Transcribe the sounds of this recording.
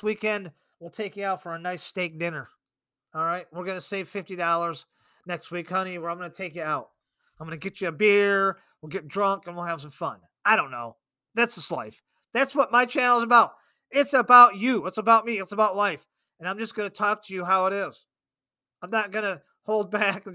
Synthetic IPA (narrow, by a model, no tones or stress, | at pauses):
wikɛ̃nd̚ | wilˠtʰeɪkjɨaʊtfə˞ɨnaɪsteɪk̚d̥ɪ̃nə˞ | ɔlˠɹaɪt̚wɪɹɡʌnɨseɪv̥fɪftidɔlˠə˞z | nɛkst̚wikhʌñiwə˞ãɪmɡʌnɨtʰeɪkɨɾaʊt̚ | ãɪ̃mɡʌnɨɡɛt͡ʃɨːbɪɹ | wilˠɡɛt̚dɹʌ̃ŋkɨ̃nwilˠɦɨv̥s̬ʌ̃ɱfʌ̃n | aɪɾõʊ̃nːo̰ʊ | ðætsð̥ʌsla̰ɪf | ðætswʌt̚maɪt͡ʃʰænl̩ˠzəbaʊt̚ | ɪtsəbaʊt͡ʃɨɪtsəbaʊt̚miɨtsəbaʊtˡlaɪf | ɨ̃nãɪ̃md͡ʒʌsɡ̥ʌnɨtʰɔk̚tʰɨjɨɦaʊəɾɪz̥ | ãɪ̃mnət̚ɡ̥ʌnɨ | hoʊlˠd̚bækn